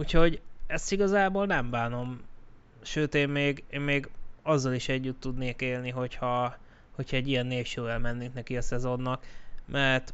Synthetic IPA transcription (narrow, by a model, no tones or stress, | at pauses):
ucho̞ɟɛst̪iɡɒzaːboːlnɛmbaːno̞m | ʃøːt̪eːmmeːɡeːmːeːɡɒzːɒliʃɛɟːyt̪ːud̪neːkeːlniɦo̞chɒ | ho̞cʰhɒɛɟːijɛnːeːʃøːɛlmɛnːiŋknɛkiɒsɛzo̞nːɒkmɛrt̪